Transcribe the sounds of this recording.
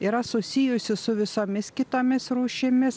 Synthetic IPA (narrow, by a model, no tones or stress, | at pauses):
iːɾɐsʊsʲijʊsʲɪsʊʋʲɪsoːmʲɪskʲɪt̪oːmʲɪsɾuːʃʲɪmʲɪs